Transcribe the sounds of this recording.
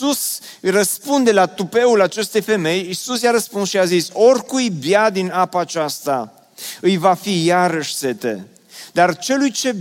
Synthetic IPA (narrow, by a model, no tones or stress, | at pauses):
sus | jrəspund̪e̞lat̪upe̞ulat͡ʃe̞st̪e̞jfe̞me̞jisusjaɾəspunsʃiaziso̞rkujbjad̪inapaːt͡ʃast̪a̰ | ɨjvafijaɾəʃse̞t̪ḛ | d̪art͡ʃe̞lujt͡ʃe̞